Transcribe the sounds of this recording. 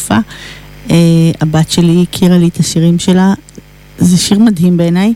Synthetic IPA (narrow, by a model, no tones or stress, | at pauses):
fa | eabat̪ʃe̞likʰiʁaliet̪aʃiʁimʃe̞la | zeʃiʁmadɦimbeːnaj